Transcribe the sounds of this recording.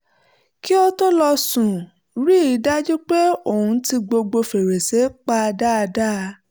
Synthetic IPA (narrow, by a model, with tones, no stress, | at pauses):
ki˦o˦to˦lɔ˧sũ˨ | ɾi˦i˨˦da˦d͡ʒu˦k͡pe˦o˦˨hũ˨˧˦ti˧ɡ͡bo˧ɡ͡bo˧fe˨ɾe˨se˨˦k͡pa˧da˦a˧da˦˧